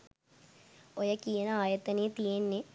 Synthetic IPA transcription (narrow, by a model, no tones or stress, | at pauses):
ojɐkijenɐaːjɐt̪ɐneːt̪ienːe